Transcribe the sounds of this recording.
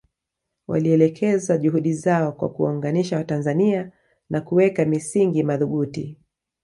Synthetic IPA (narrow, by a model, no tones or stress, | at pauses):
wa̰liɛlɛkʰɛzaʄuɦuɗizaɔkwa̰kua̰ŋɡaniʃawatanzania | nʔakuwɛkamisiŋɡimaðuɓuti